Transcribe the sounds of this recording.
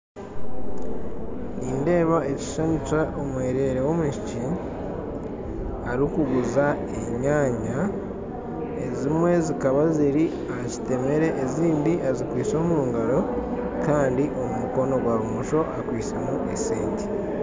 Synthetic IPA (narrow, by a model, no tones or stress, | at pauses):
inde̞ːβae̞ci̥ʃaɲut͡ʃaʔomweːɾe̞ɾewo̞muʃici | aɾikuɡuza | eɲaːɲa | ezimwe̞zikaβaziɾi | aci̥te̞me̞ɾe̞ʔːziːndiʔazikwiːt͡so̞ːmuːŋɡaɾo̞ | kaːndiʔo̞mumuko̞no̞ɡwaβumuʃo̞ʔakwiːt͡semuʔeseːnti̥